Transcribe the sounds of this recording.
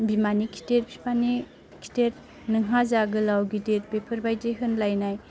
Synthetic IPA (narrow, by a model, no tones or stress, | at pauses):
bimanikʰi̥teɾpʰi̥pʰani | kʰi̥teɾ | nɯŋɦazaɡɯlawɡideɾ̚pepʰɯɾbajdeɦɯnlajnaj